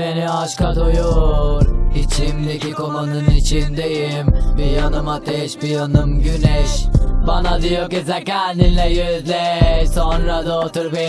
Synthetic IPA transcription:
eniaʃkad̪ojoɾit͡ʃʰimd̪ekikomanɯnit͡ʃʰind̪ejimbijanɯmat̪ʰɛʃbijanɯmɟynɛʃbanad̪ijokizɛcʲæninlɛjøzlʲɛsonɾad̪aot̪uɾbe

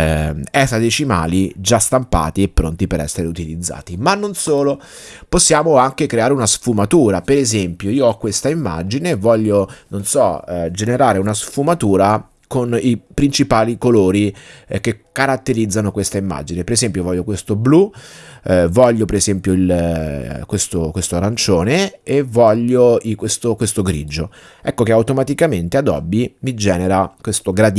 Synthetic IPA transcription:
ɛsad̪et͡ʃima̰ːlid͡ʒast̪ampa̰ːt̪iepːɾo̰nt̪ipeɾɛ̰sːeɾeut̪ilid̪zːa̰ːt̪imanːonsoːlo | posːjaːmoaŋkekɾeaːɾeunasfumat̪uːɾapeɾezɛmpjoiːoɔkːwest̪aimːa̰d͡ʒinevɔʎːononsɔd͡ʒeneɾaːɾeunasfumat̪uːɾa | konipɾint͡ʃipaːlikoloːɾik̟ːekːaɾat̪ːeɾid̪zːanokwest̪aimːa̰d͡ʒinepeɾezɛmpjovɔʎːokwest̪oblu | vɔʎːopeɾezɛmpjoil | kwest̪okwest̪oaɾant͡ʃoːneevːɔʎːoikwest̪okwest̪oɡɾḭd͡ʒo | ɛkːokeawt̪omat̪ikament̪ead̪ɔ̰bːimid͡ʒɛːneɾakwest̪oɡɾad̪

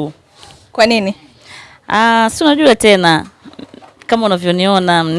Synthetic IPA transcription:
kwanini | asiunaʄuatɛna | kamaunavjɔniɔnam̩n

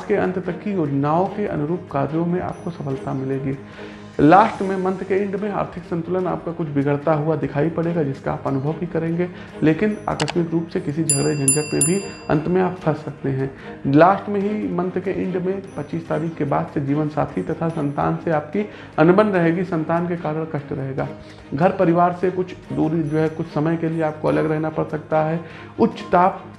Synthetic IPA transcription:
keɐ̰̃nt̪t̪ɐkːijoːd͡ʒnaːõkeʔɐ̰nʊɾuːpkaːɾjõmẽʔa̰ːp̚kosɐpʰəlt̪amɪlẽːɡeː | laːʃʈmẽmɐ̃nt̪keɪ̃ɳɖmẽa̰ːɾt̪ʰɪksə̃nt̪ʊləna̰ːp̚kakʊt͡ʃʰʋɪɡəɽt̪aɦuad̪ɪkʰaːipɐɽeːɡad͡ʒɪskaaːpɐnʊbʱəʋbʱikɐɾẽːŋɡe | leːkɪna̰ːkəʃmɪkɾuːpsekɪsid͡ʒʱɐɡɾed͡ʒɐ̃nd͡ʒək̪mẽbʱiɐ̰̃nt̪mẽaːppʰɐɾsːɐk̚t̪eɦɛ̃ː | laːʃʈmẽɦimɐ̃nt̪əkẽʔɪ̰̃ɳɖmẽpɐtːt͡ʃiːst̪aːɾiːkkːeba̰ːd̪sed͡ʒiːʋənsa̰ːt̪ʰit̪ɐt̪ʰasɐ̃nt̪a̰ːnseaːp̚ki | ɐnʊbə̃nɾɐɦeːɡisɐ̃nt̪aːnkekaːɾəɽ̃kɐʃʈɾɐɦeːɡaː | ɡʱɐɾpɐɾɪʋaːɾsekʊt͡ʃʰd̪uːɾid͡ʒoːɦɛkʊt͡ʃʰsɐməjkelieaːp̚koɐləɡɾɛɦnapɐɽsɐk̚t̪aɦɛ | ʊtːʃt̪aːp̚

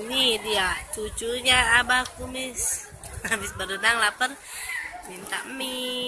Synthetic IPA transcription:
nidiat͡ʃut͡ʃuɲaːbakumɪs | abɪsbəɾənaŋlapən | mint̪a̰mːi

